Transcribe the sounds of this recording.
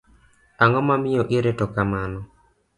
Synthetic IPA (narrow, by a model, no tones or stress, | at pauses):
aŋɔmamɪjɔʔɪɾetɔkamanɔ